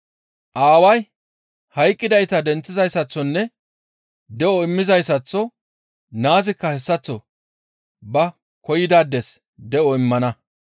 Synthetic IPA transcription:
ʔaːwɐj | hɐjkʼːɪd̪ɐjt̪ɐd̪ɛnt͡sːɪzɐjsɐt͡sːɔnːɛ | d̪ɛɔɪmːɪzɐjsɐt͡sːɔ | naːzɪkːɐhɛsːɐt͡sːɔ | bɐ | kɔjɪd̪aːd̪ːɛs | d̪ɛʔɔɪmːɐnɐ

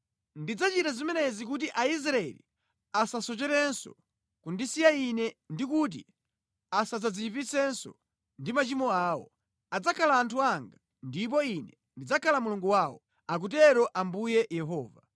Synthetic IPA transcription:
ndid͡zat͡ʃitazimɛnɛzik̬ut̬iʔais̬ɾaɛ̰lḭ | asasɔt͡ʃɛɾɛnsɔ̰ | kundisijainɛndikut̬ḭ | asad͡zad͡ziipisɛnsɔ̰ | ndimat͡ʃimɔaːwɔ̰ | ad͡zakʰalaːntʰuaŋɡa | ndip̬ɔinɛ | ndid͡zakʰalamuluŋɡuwawɔ | ak̬utɛɾɔʔambujɛjɛɦɔːva

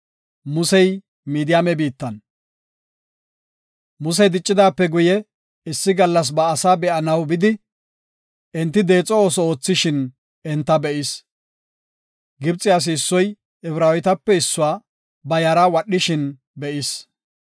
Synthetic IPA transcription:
mʊsɛj | miːd̪ɪjaːmɛbiːt̪ːɐn | mʊs̬ɛjd̪ɪt͡ʃʼːɪd̪aːpːɛɡʊjɛ | ɪsːɪɡɐlːɐs̬bɐːsaːbɛʔɐnɐwbɪd̪ɪ | ɛnt̪ːɪd̪e̞ːt͡sʼːɔo̞ːsɔoːt͡sːɪʃɪn | ɛnt̪ːɐbɛʔɪs | ɡɪbt͡sʼːɪaːs̬ɪːsːɔj | ɛfɾaːwɪt̪ɐpːɛɪsːʊwaː | bɐjɐɾawɐɗːɪʃɪn | bɛʔɪs

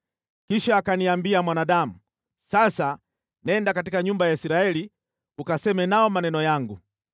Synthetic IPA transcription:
kiʃaːkaniambiamwanaɗamu | sasa | nɛndakatikaɲumbajaisiɾaɛli | ukasɛmɛnaɔmanɛnɔjaŋɡu

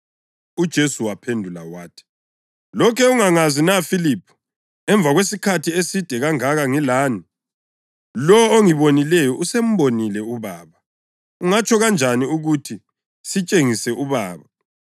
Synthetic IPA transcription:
ud̥ʒ̥ʱesuwapʰendʱulawaːtʰi̥ | lɔkʰɛuŋaŋazinafiliːpʰu̥ | ɛɱb̪vʱaɣwesikʰatʰiesid̥ʱɛɣaŋaɣaŋilaːni | lɔoŋiβonilɛjɔʔusem̩βonilɛuβaːβa | uŋat͡ʃʰʼɔɣand͡ʒʱaniuɣutʰi | sit͡ʃʼeŋisɛʔuβaːβa

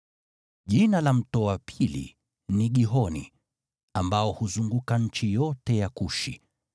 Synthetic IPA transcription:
ʄinalam̩tɔapʰilḭ | niɠiɦɔnḭ | ambaɔhuzuŋɡukaɲ̩t͡ʃijɔtɛjakuʃi

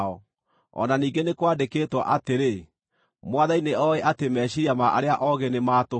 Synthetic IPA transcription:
ɔ | ɔ̰naniːŋɡenekwaːndekeːtwa̰ʔateɾe | mwaðaineɔeʔatemɛːɕiɾiamaʔa̰ɾeaʔɔɣenemaːto

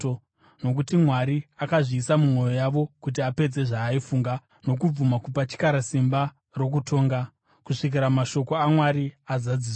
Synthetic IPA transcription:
o | no̞k̬utimwaɾiakaʐiːsamumwo̞jo̞jaʋo̞kut̬iape̞d͡ze̞ʐaːifuːŋɡa | no̞k̬ub͡vumakupat͡ʃi̥kaɾasimba | ro̞k̬utʰo̞ːŋɡa | kuʂik̬iɾamaʃo̞ko̞amwaɾiazad͡zis

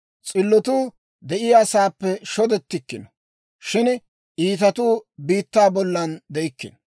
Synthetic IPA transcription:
t͡sʼɪlːɔt̪uː | d̪ɛʔɪjaːsaːpːɛʃɔd̪ɛt̪ːɪkːɪnɔ | ʃɪn | ʔiːt̪̬ɐt̪uːbiːt̪ːaːbɔlːɐnd̪ɛjkːɪ̰n

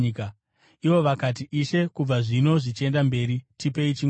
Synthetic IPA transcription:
ka | iʋo̞ʋakat̬iʔiʃe̞kub͡vaʐino̞ʐit͡ʃe̞ndambe̞ːɾitipe̞it͡ʃi

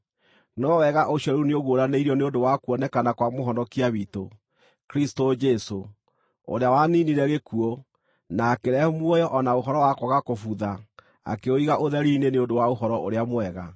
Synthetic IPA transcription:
nɔwɛɣaʔoɕjɔɾuneoɣoɾaneiɾiɔneondowakuɔnɛkanakwamoɦɔnɔkiaβito | kɾistod͡ʒɛso | o̰ɾeawaniniɾɛɣekuɔ | naːkeɾɛmwɔjɔʔɔnaoɦɔɾɔwakɔɣakofuða | a̰keoiɣaʔoðɛɾiːneneondowaoɦɔɾɔʔoɾeamwɛɣa

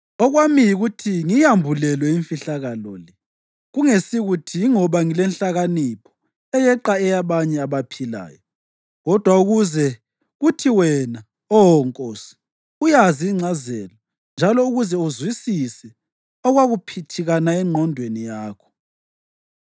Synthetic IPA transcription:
ɔɣwamijiɣutʰiŋijambʱulɛlwɛiɱfiɬaɣalɔlɛ | ɣuŋesiɣutʰijŋɔβaŋilɛnɬaɣanipʰɔ̥ | ɛjɛǃaɛjaβaɲɛaβapʰila̰ːjɔ | ɣɔd̥ʱwauɣuzɛ | ɣutʰiwɛna | ɔwɔŋkʼɔsi̥ | ujaziːŋ͡ǀʱazɛlɔ | nd͡ʒʱalɔuɣuzɛuzwisisɛ | ɔɣwaɣupʰitʰiɣanaɛŋ͡ǃʱɔndʱwenijaːkʰɔ̥

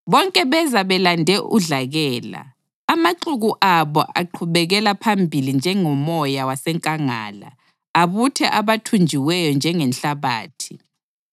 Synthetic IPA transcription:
βɔŋkʼɛβɛzaβɛlandʱɛʔuɮaɣɛːla̰ː | maǃuɣuʔaβɔ̰ʔa̰ǃʰuβɛɣɛlapʰambʱilind͡ʒʱɛŋɔmɔjawasɛŋkʼaŋa̰ːla̰ː | βutʰɛʔaβatʰund͡ʒʱiwɛjɔnd͡ʒʱɛŋɛnɬaβa̰ːtʰi̥

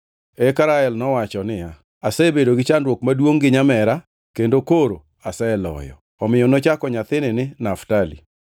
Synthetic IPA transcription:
ɛkaɾaɛlnɔwat͡ʃɔnɪja | asɛebedoɡɪt͡ʃandwokmadwoŋɡɪɲamɛɾa | kendokoɾo | asɛɛlɔ̰jɔ̰ | ɔmɪjɔnot͡ʃakɔɲat̪ɪnɪnɪnaftalḭ

